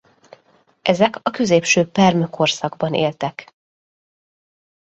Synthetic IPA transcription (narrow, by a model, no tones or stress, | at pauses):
ʔɛzɛkɒkø̞zeːpʃøːpɛrmøkʰo̞rsɒɡ̚bɒnḛːlt̪ɛk